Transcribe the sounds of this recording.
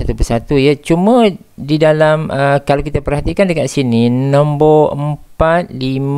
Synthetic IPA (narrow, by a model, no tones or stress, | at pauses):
at̪upəsat̪ujat͡ʃumə̃ | didalamʔəkalakit̪apərɦat̪ikandəkaʔ̪sininə̃mboəmpat̪̚lim